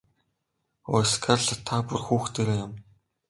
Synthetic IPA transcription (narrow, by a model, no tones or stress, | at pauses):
ɔ̰skʰarɮt̪ʰapurxuːxt̪eːɾeːjʊm